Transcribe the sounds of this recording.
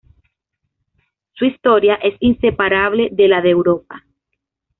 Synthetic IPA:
suist̪o̞ɾjaʔe̞sinse̞paɾaβle̞ðe̞laðewɾo̞p̚a

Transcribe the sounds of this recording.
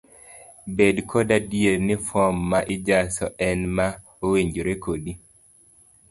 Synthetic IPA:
bedkʰɔdadienɪfɔmːaʔɪd͡ʒasɔʔɛnma | oweɲd͡ʒoɾekodi

